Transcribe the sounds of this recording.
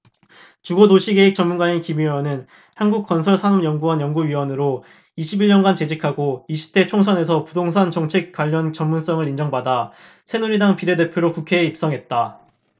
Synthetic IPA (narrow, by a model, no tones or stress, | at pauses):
t͡ɕuɡodoɕʰiɡe̞ɦek̚t͡ɕʌmunɡaɲikimiʌnɯn | hanɡuk̚k͈ʌnsʰʌɭsʰanumjʌŋɡuwʌnjʌŋɡuɥiwʌnɯɾo | iɕʰibiɭɲʌnɡant͡ɕe̞d͡ʑikʰaɡoiɕʰi̥tʰe̞t͡ɕʰoŋsʰʌne̞sʰʌpudoŋsʰant͡ɕʌŋt͡ɕʰek̚k͈waʎːʌnt͡ɕʌmmuns͈ʌŋɯɾind͡ʑʌŋbada | sʰe̞nuɾidaŋpiɾe̞de̞pʰjoɾokukʰe̞ːip̚s͈ʌŋɦe̞t̚t͈a